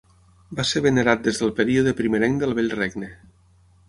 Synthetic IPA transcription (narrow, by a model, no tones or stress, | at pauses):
baseɾβeneɾat̪̚d̪ezðəlˠpəɾioðəpɾimeɾɛŋd̪əlˠβeʎreɡne